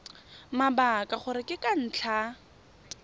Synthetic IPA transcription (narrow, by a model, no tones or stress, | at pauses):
mabakʼaχʊɾɪkʼɪkʼan̩t͡ɬʰa